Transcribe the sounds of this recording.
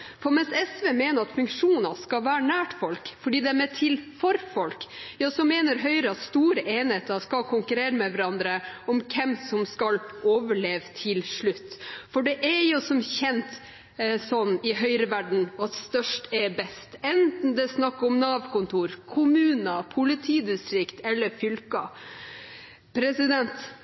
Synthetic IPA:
fɔmɛnsɛsʋeːmeːnəɾɑt̪fʉŋkʂuːnɑskɑʋæːɾəɳæːʈfɔlkfɔɖiːd̪ɛmɛt̪ʰɪlfɔɾfɔlkjɑːsɔmeːnəɾɦœʏɾəɑt̪st̪uːɾəʔeːnheːt̪ɑskɑkʰʊŋkʉɾeːɾəmɛʋæɾɑnd̪ɾəɔmkʰɛmsɔmskɑlʔoːʋəɭeːʋt̪ʰɪlʂɭʉt̪ːfɔɖɛʔɛɾjʊsɔmçɛnt̪ | sɔnːɪɦœʏɾəʋæɖɳ̩ɑt̪st̪œʂʈɛbɛst̪ɛnt̪n̩d̪ɛsnɑkːɔmnɑːʋkʊnt̪ʰuːɾkʰʊmʉːnəpʰʊlɪt̪ʰiːd̪ɪst̪ɾɪkt̪ɛlːəɾfʏlkɑ | pʰɾɛsɪd̪ɛnt̪

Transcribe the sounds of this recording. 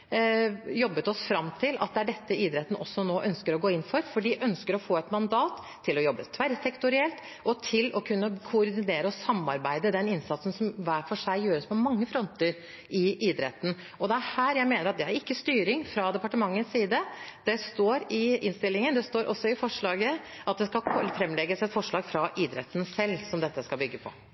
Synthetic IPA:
jɔbːət̪ɔsfɾɑmt̪ʰɪlɑ̰t̪̚d̪ɛæɖɛt̪ːəiːd̪ɾɛt̪ːnʔɔsːɔnoːʔœnskəɾɔɡoːɪnːfɔɾfɔɖiːʔœnskəɾɔfoːɛt̪mɑnd̪ɑːt̪ʰːɪlɔjɔbːət̪ʰʋæɾsɛkt̪ʊɾɪɛlt̪ | ʔɔt̪ʰɪlɔkʰʉnːəkʰʊːɾd̪ɪneːɾəɔsɑmːɑɾbæɪd̪əd̪ɛnɪnsɑt̪sən̩sɔmʋæːfɔʂæɪjøːɾəspɔmɑŋːəfɾɔnt̪əɾ | ʔɪʔiːd̪ɾɛ̰t̪ːən̩ | ɔd̪ɛæɾhæːɾjæɪmeːnəɾɑt̪d̪ɛæɾɪkːəst̪yːɾɪŋfɾɑd̪ɛpɑʈəmɑŋːənssiːd̪əd̪̥ɛst̪oːɾɪɪnst̪ɪlːɪŋənd̪ɛst̪oːɾʔɔ̰sːɔɪfɔʂɭɑːɡəʔɑt̪̚d̪ɛskɑlʰfɾɛmːlɛɡəsɛt̪fɔʂɭɑːɡfɾɑʔiːd̪ɾɛ̰t̪ːən̩sɛlːsɔmd̪ɛt̪ːəskɑlbʏɡːəpʰɔ̰

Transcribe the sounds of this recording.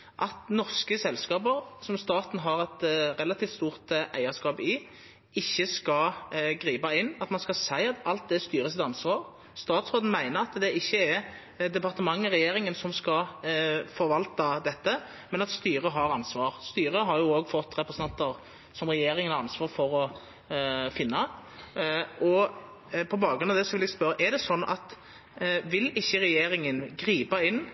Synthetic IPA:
ʔɑt̪nɔʁskəsɛlskɑːbəʁsɔmst̪ɑːt̪n̩ɦɑʁɛt̪ʁɛlɑt̪ʰiːft̪st̪uːʁt̪ʔæ̰ɪəskɑːpɪ | ɪçːəskɑɡʁiːbɑɪnːɑt̪mɑnskɑsæɪɑt̪ɑlt̪̚d̪ɛst̪yːɾəsɛt̪ɑnsʋɑːʁ | st̪ɑːt̪sʁoːd̪n̩mæɪnəɾɑt̪d̪ɛɪçːəɛ | d̪ɛpɑʁt̪əmɑŋːəʁɛjeːɾɪŋənsɔmskɑ | fɔɾʋɑlt̪ɑd̪ɛt̪ːə | mɛnɑt̪st̪yːɾəɦɑɾɑnsʋɑːɾst̪yːɾəɦɑɾjʊoːɡfɔt̪ːɾɛpɾəsənɑnt̪əʁ | sɔmʁɛjeːɾɪŋənhɑɾɑnsʋɑːɾfɔɾɔ | fɪnːɑ | ʔɔ | pʰɔbɑːɡɾʉnɑd̪ɛsɔʋɪlɛɡspœɾəʔɛd̪ɛsɔnːɑ̰t̪ | ʋɪlɪçːəɾɛjeːɾɪŋənɡɾiːpɑɪnː

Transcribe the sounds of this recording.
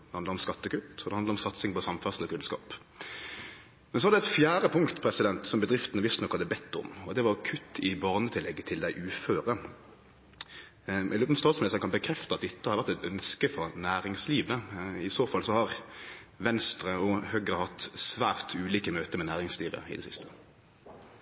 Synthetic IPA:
d̪ɛhɑnd̪əʁɾɔmskɑt̪ːəkʉt̪ːɔd̪ɛhɑnd̪ɾɔmsɑt̪sɪŋpɔsɑmfæʁsəlɔkʰʉnskɑ̰ːp | mɛnsɔʋɑdɛt̪fjæːɾəpʰʊŋkt̪pʰɾɛsɪd̪ɛnt̪sɔmbəd̪ɾɪft̪ənəʋɪst̪nɔkhɑd̪əbɛt̪ʰːɔ̰mɔd̪ɛʋɑʁkʰʉt̪ʰːɪbɑːʁnət̪ʰɪlːɛɡːət̪ʰɪld̪æɪʔʉːføːʁə | ʔɛ̰løːpn̩st̪ɑːlsmɛlsɑkʰɑnbəkʰʁɛft̪əɑt̪̚d̪ɪt̪ːəhɑɾʋæʁt̪ɛt̪œnskəfɔʁnæːʁɪŋsliːʋəɪsoːfɑlsɔhɑʁʋɛnst̪ʁəɔhœɡʁəhɑt̪sʋæːʁt̪ʰʉːliːkəmøːt̪əmɛnæːʁɪŋsliːʋə̰ɪ̰d̪ɛsɪst̪ə̥

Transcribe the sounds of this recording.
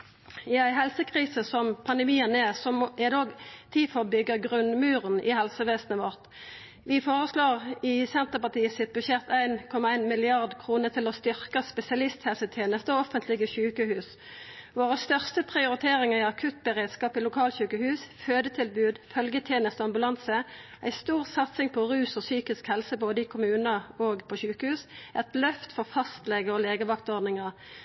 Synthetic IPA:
ɪæɪɦɛlsəkʰʁiːsəsɔmpʰɑnd̪ɛmiːənɛsɔmʔɛd̪oːɡt̪ʰiːfɔbʏɡəʁɡʁʉnmʉːʁənɪhɛlsəʋeːsnəʋɔʁt̪ | ʋɪfoːʁəsloːʁɪsɛnt̪əʁpɑt̪iːəsɪt̪̚bʉʃɛt̪æɪnkʰɔmɑæɪnmɪlɪɑʁd̪kʰʁuːnət̪ʰɪlɔst̪ʏʁkəspɛsɪɑlɪst̪hɛlsət̪ʰjeːnəst̪əɔɔfənt̪lɪɡəçʉːkəhʉːs | ʋoːʁəst̪œʁst̪əpʰʁɪʊɾɪt̪ʰeːʁɪŋəʁɪɑkʰʉt̪̚bəʁeːd̪skɑːpɪlʊkʰɑːlçʉːkəhʉːsføːd̪ət̪ʰɪlbʉːd̪fœlɡət̪ʰjeːnəst̪əɑmbʉlɑnsəʔæ̰ɪst̪uːʁsɑt̪sɪŋpʰɔʁʉːsɔsyːkɪskhɛlsəboːd̪əɪkʰʊmʉːnəoːɡpʰɔʃʉːkəhʉːsʔɛt̪lœft̪fɔʁfɑst̪lɛɡəʁɔleːɡəʋɑkt̪ɔʁd̪nɪŋɑʁ

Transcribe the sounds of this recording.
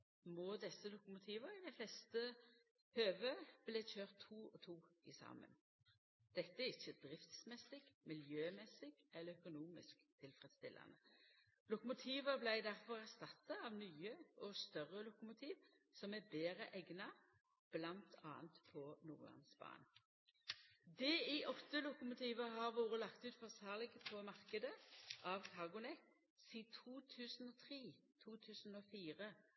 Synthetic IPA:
mɔd̪ɛsːəlʊkʊmʊt̪ʰiːʋəɾɪd̪æɪflɛst̪ə | høːʋəb̥leːc͡çøːʁt̪ʰːuːɔt̪ʰuːɪsɑ̰ːmə̰n | d̪̥ɛt̪ːəæʁɪçːəd̪ɾɪft̪smɛsɪɡ̥mɪljøːmɛsɪɡɛlːəœkʊnuːmɪ̰skt̪ʰɪlfʁɛd̪st̪ɪlːɑ̰nə | lʊkʊmʊt̪ʰiːʋəblæɪd̪æʁfɔʁæʁst̪ɑt̪ːɑɑʋnyːəʔɔst̪œʁəlʊkʊmʊt̪ʰiːʋ | sɔmæbeːʁəʔɛɡnɑ | b̥lɑnt̪ʰɑːnt̪pʰɔnṵːʁlɑ̰nsbɑ̰ːn | d̪ɛɪʔɔft̪əlʊkʊmʊt̪ʰiːʋəɦɑːʁʋuːʁəlɑkt̪ʉːt̪fɔsɑːʁlɪɡəpʰɔmɑʁkəd̪əʔɑʋkʰɑʁɡʊnɛk | siːt̪ʰuːt̪ʰʉːsn̩ɔːt̪ʰʁiːt̪ʰuːt̪ʰʉːsn̩oːfiːʁə

